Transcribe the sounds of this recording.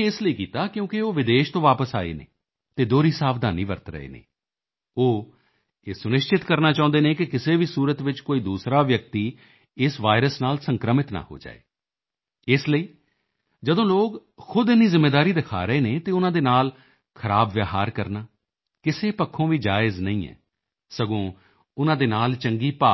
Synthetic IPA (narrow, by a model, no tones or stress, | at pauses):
ɪsləiːkiːt̪aːkjõːkɪoːʋɪd̪eːʃt̪õːʋaːpəsa̰ːḛːnḛː | t̪eːd̪oːɾiːsaːʋd̪aːniːʋə̰ɾt̪ɾə̰ḛːnḛː | oː | eːsʊnɪʃt͡ʃɪt̪kəɾnaːt͡ʃãːʊ̃nd̪eːnẽːkɪkɪseːʋiːsuːɾət̪ʋɪt͡ʃkoːiːd̪uːsɾaːʋjək̚t̪iː | ɪsʋaːɪɾəsnaːlsəŋkɾəmɪt̪na̰ːho̰ːd͡ʒa̰ːḛː | ɪsləiː | d͡ʒəd̪õːloːɡ | xʰʊd̪ɪnːiːzɪmːeːd̪aːɾiːd̪ɪkʰa̰ːɾəeːneːt̪eːʊnãːd̪eːnaːl | kʰəɾaːbʋjaːɦaːɾkəɾnaː | kɪseːpəkʰːõːʋiːd͡ʒaːɪznəĩːɛ̰ː | səɡõː | ʊnãːd̪eːnaːlt͡ʃəŋɡiːpaː